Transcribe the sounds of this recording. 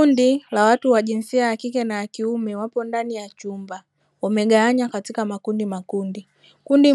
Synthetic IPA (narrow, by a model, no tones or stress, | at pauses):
undilawatuwaʄinsiajːkikɛnaakiumɛwapɔndanijat͡ʃumba | wamɛɡaaɲakatikamakundimakundi | kundi